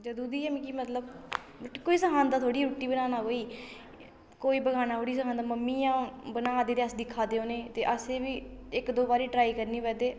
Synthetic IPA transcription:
d͡ʒəd̪uːd̪iːɛmĩːkiːmət̪ləb | koːiːsəɦaːnd̪aːt̪ʰoːɽiːɾuːʈːiːbənaːnaːɦoːiː | koːiːbəɡaːnaːɦoːɽiːsəɦãːnd̪aːməmːiːjãːbənãːd̪eːɾaːsd̪ɪkʰːaːd̪eːoːnẽːt̪eːʔəseːʋiːɪkd̪oːbaːɾiːʈɾaːiːkəɾniːbɛːd̪eː

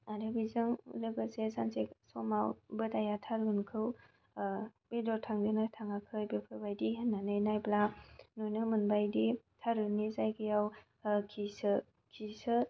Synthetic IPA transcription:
aɾebizɯŋṵlɯɡəsesanseksɔmawbɯtajatʰaɾunkʰɯw | b̥edɔtʰaŋdɯnatʰaŋakʰɯjbepʰɯbajdiɦənːanɯjnajplanojnɯmɯnbajditʰaɾɯnːizajkɯjaw | kʰisɯ | kʰisɯ

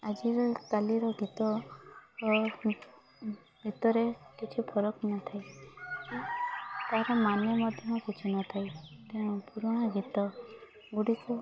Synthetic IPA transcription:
ad͡ʒiɾɔk̪aliɾɔɡit̪ɔ | ɡit̪ɔɾekit͡ʃʰupʰɔɾɔknat̪ʰajkit̪aɾɔmanjɔmɔd̪ʱjɔmkut͡ʃʰunat̪ʰajt̪epuɾɔɽ̃aɡit̪ɔ | ɡuɽiku

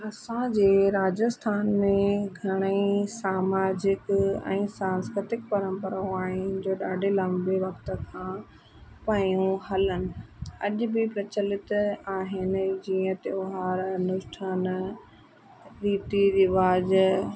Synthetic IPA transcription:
ɐsãd͡ʑeːɾaːd͡ʑəst̪ʰaːnmẽɡʱɐɽ̃eisaːmaːd͡ʑɪkɛ̰̃ːsãːnskɾɪt̪ɪkpɐɾə̃mpəɾaõaːɦɪnɪ̆d͡ʑoːɗaːɖʱelɐ̃mbeʋɐkt̪ə̆kʰãː | pɐjũɦɐlənɪ̆ɐʄʊ̆bɪpɾɐt͡ɕəlɪt̪aːɦɪnɪ̆d͡ʑiːə̃t̪eʊɦaːɾnʊʃʈʰaːn | ɾiːt̪iɾɪʋaːd͡ʑ

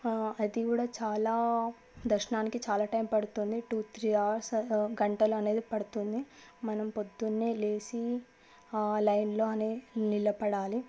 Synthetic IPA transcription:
ɐd̪ikuːɽaːt͡ʃaːlaː | d̪ɐɾʃɐnaːnikit͡ʃaːlaːʈɐjmpɐɽut̪und̪iʈuːt̪ɾiːaːɾsɡɐɳʈɐluɐne̞ːd̪ipɐɽut̪und̪i | mɐnɐmpod̪ːunːeːle̞ːsi | lɐjnlo̞ːɐneːnilɐpɐɽaːli

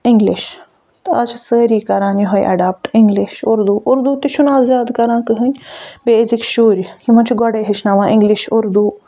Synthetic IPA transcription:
ɪŋɡliʃ | t̪ɐt͡ʃʰsəːɾiːkɐɾãːnjiɦojʔɐ̰ɖaːp̚ʈɪ̃ŋɡlɪʃʊɾd̪uːʔʊɾd̪uːt̪iʃʰunaːzzʲjaːd̪kɐɾãːkɨɦənʲbezikʃoːɾʲhimɐ̃nt͡ʃʰɡɔɽeːɦet͡ʃʰnaʋãːʔɪ̃ŋɡliʃʊɾd̪uː

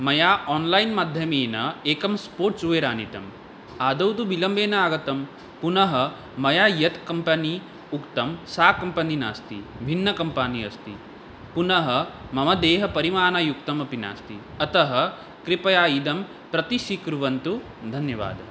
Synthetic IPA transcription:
mɐjaːɔːnlɐjnmaːd̪ʱjɐmeːnɐeːkɐmspoːɾʈsuʋeːɾaːnit̪ɐm | aːd̪ɐwt̪ubilɐmbeːnɐaːɡɐt̪ɐm | punɐɦɐ | mɐjaːjɐt̪kɐmpɐni | ukt̪ɐmsaːkɐmpɐnina̰ːst̪ḭbʱinːɐkɐmpaːniɐ̰st̪i | punɐɦɐmɐmɐd̪eːɦɐpɐɾimaːnɐjuk̚t̪ɐmɐpina̰ːst̪i | ɐt̪ɐɦɐ̆ | kɾipɐjaːjid̪ɐm | pɾɐt̪iʃikɾuʋɐnt̪u | d̪ʱɐnjɐʋa̰ːd̪

